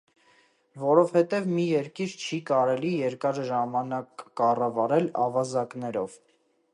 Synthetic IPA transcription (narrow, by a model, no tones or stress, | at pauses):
vɔɾɔvhɛt̪ɛvmijɛɾkiɾt͡ʃʰikɑɾɛlijɛɾkɑɾʒɑmɑnɑkːɑrɑvɑɾɛlɑ̰vɑzɑknɛɾɔv